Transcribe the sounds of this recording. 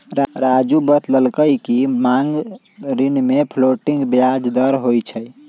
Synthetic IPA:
ɾɾad͡ʒubət̪ləlkəjkimaŋɡ | ɾinmepʰloʈiŋɡbjad͡ʒd̪əɾɦojt͡ʃʰəj

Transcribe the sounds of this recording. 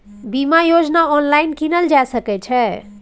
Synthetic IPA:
bimajod͡ʒnaɔnlajnkinəld͡ʒasəkɛt͡ʃʰɛ

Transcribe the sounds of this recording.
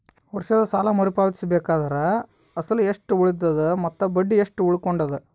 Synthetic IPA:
ʋɐɾʂɐd̪ɐsaːlɐmɐɾipaːʋt̪i̥sɐbeːkaːd̪ɐɾɐ | ɐsɐlueʂʈuuɭid̪ːɐd̪umɐt̪ːɐbɐɖːieʂʈuuɭukoɳɖɐd̪u

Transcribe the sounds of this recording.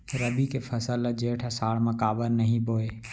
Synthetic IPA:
ɪɾɐbʱikefʰɐsəlɐd͡ʒeːʈʰɛsaːɽmɐkaːbəɾnɐɦĩboːe

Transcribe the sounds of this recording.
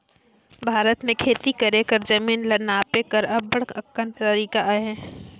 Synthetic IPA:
bʱaːɾət̪mẽkʰeːt̪ikɐɾekɐɾd͡ʒɐmiːnlɐnaːpekɐɾɐbːɐɽ̤ɐkə̃nʈ̪t̪ɐɾiːkaʔaɦɛ̃ː

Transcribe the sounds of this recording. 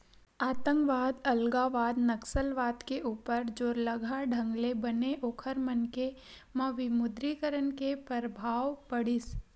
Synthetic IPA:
aːt̪ə̃ŋkʋaːd̪ɐlɡaʋaːd̪nɐksəlʋaːt̪keʔuːpəɾd͡ʒoːɾləɡʱaɖʱə̃ŋɡlebɐneʔoːkʰəɾmənke | mɐʋɪmʊd̪ɾikəɾənkepəɾəbʱaːʋpɐɽɪs

